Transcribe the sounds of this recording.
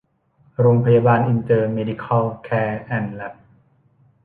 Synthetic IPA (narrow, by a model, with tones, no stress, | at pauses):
ɾoː˧ŋpʰa˧jaː˧baː˧nʔi˧nt̪ɤː˧meː˧di˧kʰɔ˧lkʰɛː˧ʔɛ˧˩nlɛ˦˥p̚